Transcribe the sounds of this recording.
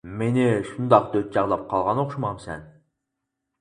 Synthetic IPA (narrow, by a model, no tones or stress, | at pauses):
meniʃund̪ɑqd̪øt̪̚d͡ʒɑʁd̪ˠɑp̚qʰɑlˠʁɑnoqʃumɑmsḛn